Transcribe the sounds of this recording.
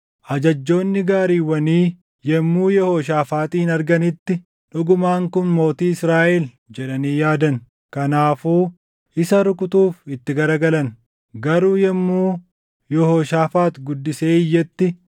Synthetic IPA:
ʔɐd͡ʒɐd͡ʒːo̞ːnːɪɡaːɾiːwɐniː | jɛmːuːjɛhoːʃ̬aːfaːt̪iːnɐɾɡɐnɪt̪ːɪ | ᶑʊɡʊmaːŋkʊnmo̞ːt̪iːɪsɾaːʔɛl | d͡ʒɛᶑɐniːjaːd̪ɐn | kɐnaːfuː | ʔɪsɐɾʊkʼʊt̪uːfɪt̪ːɪɡɐɾɐɡɐlɐn | ɡɐɾuːjɛmːuː | jɛhoːʃaːfaːt̪ɡʊd̪ːɪse̞ːɪjːɛt̪ːɪ

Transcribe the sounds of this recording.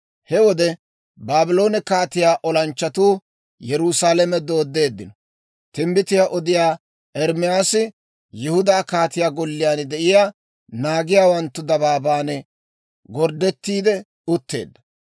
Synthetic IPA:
hɛwɔd̪ɛ | baːbɪlo̞ːnɛkaːt̪ɪjaːʔɔlɐnt͡ʃːɐt̪uː | jɛɾusaːlɛmɛd̪o̞ːd̪ːe̞ːd̪ːɪnɔ | t̪ɪmbɪt̪ɪjaːʔɔd̪ɪjaː | ʔɛɾmɪjaːsɪ | jɪhʊd̪aːkaːt̪ɪjaːɡɔlːɪjaːnd̪ɛʔɪjaː | naːɡɪjaːwɐnt̪ːʊd̪ɐbaːbaːnɛ | ɡɔɾd̪ɛt̪ːiːd̪ɛ | ʊt̪ːe̞̰ːd̪ːɐ

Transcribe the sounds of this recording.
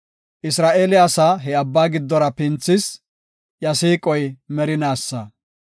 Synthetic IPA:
ʔɪsɾaːʔeːlɪɐsaɦɛɐbːaːɡɪd̪ːɔɾɐpɪnt͡sːɪs | jɐsiːkʼɔjmɛɾɪnaːsːɐ

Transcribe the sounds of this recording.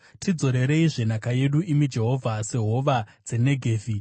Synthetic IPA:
tʰid͡zo̞ɾe̞ɾe̞iʐe̞nakaje̞ɗuʔimid͡ʒe̞ɦo̞vʱase̞ɦo̞ʋad͡ze̞ne̞ɡʱeːvi

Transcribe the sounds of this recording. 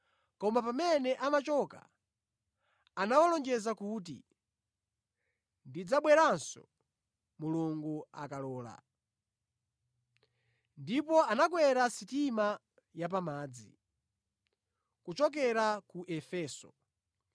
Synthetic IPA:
kɔmapamɛnɛʔamat͡ʃɔka̰ | anawɔlɔnd͡ʒɛzakut̬ḭ | ndid͡zaɓwɛɾansɔ̰ | muluŋɡuakalɔːla̰ | ndipɔanakwɛɾasitima | jap̬amaːd͡zḭ | kut͡ʃɔk̬ɛɾakuʔɛfɛːsɔ̰

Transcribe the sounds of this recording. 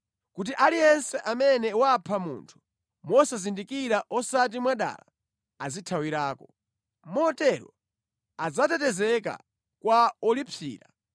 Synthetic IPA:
kut̬iʔalijɛnsɛʔamɛnɛwapʰamṵːntʰu̥ | mɔsazindikiɾaʔɔsat̬imwaɗa̰ːla | azitʰawiɾaːkɔ | mɔtɛɾɔ̰ | ad͡zatɛtɛzɛka̰ | kwaɔlipʰḭːɾa̰

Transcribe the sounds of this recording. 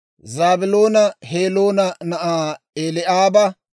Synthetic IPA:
zaːbɪlo̞ːnɐheːloːnɐnɐʔaː | eːlɪʔaːbɐ

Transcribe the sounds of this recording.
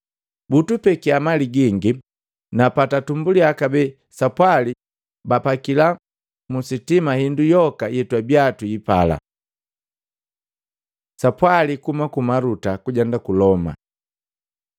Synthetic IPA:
butupɛkiamaliɡiŋɡi | napatatumbuliakabɛ | sapwali | bapakila | musitimahindujɔkajɛtwabjatuipala̰ | sapwalikumakumaɾutakuɟandakulɔma̰

